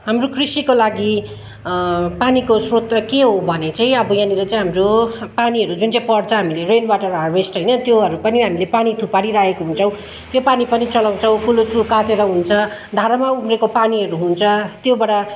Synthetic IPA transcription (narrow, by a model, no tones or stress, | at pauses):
ɦamrokʰrisikolaɡi | panikosrot̪keɦobʱʌnet͡saĩʌbʌjãnilʌt͡sãɦamropaniɦʌɾud͡zunt͡saj̃pʌɽt͡sʰʌɦamilerenwaʈʌrabesʈɦʌjnʌt̪joɦʌɾupʌniɦamilepanit̪ʰupaɽiɾaɦekoɦunt͡sʰʌw̃ | t̪jopanipʌnit͡sʌlaw̃t͡sʰʌw̃kulotukaʈeɾʌɦunt͡sʰʌd̪ʱaɾamauɡrekopaniɦʌɾuɦunt͡sʰʌt̪jobʌɽa